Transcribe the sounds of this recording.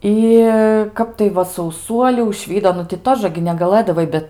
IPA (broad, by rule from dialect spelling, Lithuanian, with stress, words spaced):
ˈɪ ˈkɐp tɐɪ ˈʋɐ sɐʊˈsuɔlʲuː ʊʒʲˈʋʲiːdoː ˈnʊ tʲɪ ˈtoːʒɐ ɡʲɪ nʲɛɡɐˈlˠɘdɐʋɐɪ ˈbʲɛt